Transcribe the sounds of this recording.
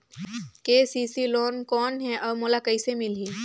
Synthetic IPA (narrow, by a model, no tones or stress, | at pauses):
keːsiːsiloːnkɔːnɦɛʔɔːɾmoːlakɐisemɪlɦiː